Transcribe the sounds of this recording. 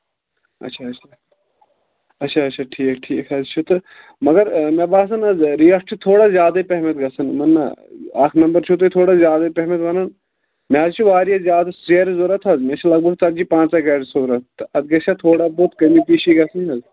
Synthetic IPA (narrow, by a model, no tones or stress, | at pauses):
ɐ̰tːʃʰaɐt͡ʃʰa | ɐtːʃʰaɐtʃʰaʈʰiːkʈʰiːkʰɐzt͡ʃʰut̪ɨ | mɐɡɐɾmebaːsɐnɐzɾiːɐsʈʰit̪ʰoːɽazʲjaːd̪aipeɦmet̪ɡɐsɐnmɐnːa̰aːknɐmbɐɾt͡ʃʰut̪̬ot̪ʰoːɽazjaːd̪ɐipeɦmet̪ʋɐnan | mẽɐzt͡ʃʰuʋaːɾijɐzjaːd̪aseɾzoɾɐt̪ʰɐzmet͡ʃʰulɐɡ̚bʱɐɡ̚t̪ɐd͡ʒipãːnt͡saɡɐːɽsoːɾɐt̪ɨɐd̪ɡɐt͡ʃʰat̪ʰoːɽaboːt̪kɐmipiːʃiɡɐsɐnɐz